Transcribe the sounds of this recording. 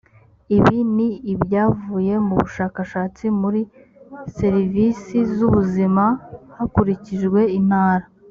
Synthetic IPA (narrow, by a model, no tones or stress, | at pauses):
iβiniːbjaːvuːje̞muβṵʃaːkaʃaːt͡simuɾi | se̞ɾivisizuβuzimahakuɾiciʒɡwe̞in̥haːɾa